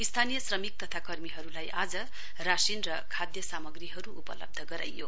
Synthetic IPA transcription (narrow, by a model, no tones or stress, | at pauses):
ist̪ʰanijʌsrʌmik̚t̪ʌt̪ʰakʌrmiɦʌɾulajʔad͡zʌ | rasinrʌkʰad̪jʌsamʌɡriɦʌɾuupʌ̰lʌ̰b̚d̪ʱʌɡʌɾa̰jːo